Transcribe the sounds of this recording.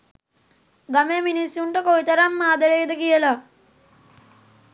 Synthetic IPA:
ɡameminisjuɳʈəkoʋit̪ɐɾamːaːd̪əɾejd̪əkijəla

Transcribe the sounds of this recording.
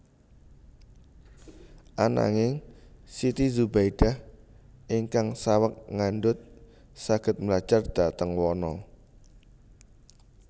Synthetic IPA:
ʔana̰ŋɪŋsit̪izubajɖ̥ah | ʔiŋkaŋsawək̚ŋanɖʊt̪̚ | saɡ̥ə̤t̪̚mlad̥ʒ̥ard̪̥a̤t̪əŋwɔnɔ

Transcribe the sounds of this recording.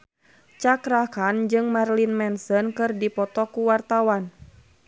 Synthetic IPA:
t͡ʃakɾakand͡ʒɨŋmarlinmɛnsənkɨrdipɔt̪ɔkuwart̪awan

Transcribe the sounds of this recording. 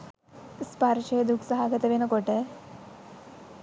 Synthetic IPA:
spaɾɕed̪ukʰsəɦaɡət̪eʋenəkoʈe

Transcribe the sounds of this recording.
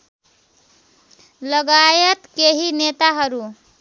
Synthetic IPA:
lʌɡajʌt̪keɦinet̪aɦʌɾu

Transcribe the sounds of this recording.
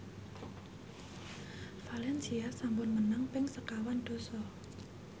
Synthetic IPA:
falɛnsiasambʊnmənaŋpɪŋsəkawand̪̥o̤sɔ

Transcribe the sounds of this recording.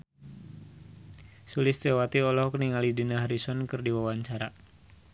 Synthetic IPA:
sulɪst̪ɛwat̪iɔlɔhɔkniŋalidinaɦaɾisɔnkɨrdiwawaɲt͡ʃaɾa

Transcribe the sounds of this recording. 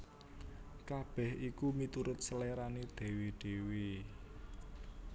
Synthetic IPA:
kab̥ɛ̤hʔikumit̪uɾʊt̪̚səleɾanid̪̥e̤wid̪̥e̤wi

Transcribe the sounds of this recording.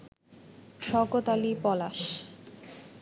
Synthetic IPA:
ʃɔɡot̪alipɔlaʃ

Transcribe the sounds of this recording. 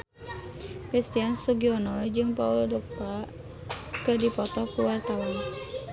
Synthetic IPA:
kɾist̪iansuɡiɔnɔjd͡ʒɨŋpauldɔk̚pa | kədipɔt̪ɔkuwart̪awan

